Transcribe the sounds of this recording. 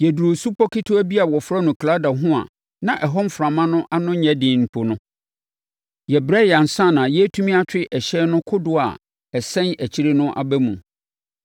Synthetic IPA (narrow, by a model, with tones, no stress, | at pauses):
jɛ˨du˨ɾo˨su˦pɔ˦kʰi˦tʰo˦æ˦bi˦a˨wɔ˨fɾɔ˦nʊ̃˨kʰla˦da˨ɦʊ̃˦a̰˨ | nã˨ʔɛ˨ɦɔ˦m˦fɾã˨mã˦nʊ̃˦ʔa˦nʊ̃˦ɲɛ̃˦dɪ̃˨m̩˨pʰo˨nʊ̃˦ | jɛ˨bɾɛ˦ja˨n̩˨sã˦˨nã˨jɛ˦tʰũ˦mĩ˦a˦t͡ɕᶣɪ˦ʔɛ˨ɕɛː˦nʊ̃˦kʰʊ˦dʊ˨a̰˨ | ɛ˨sɛ̃˦næ˨t͡ɕʰi˦ɾe˦nʊ̃˦ʔa̰˨bæ˦mũ˨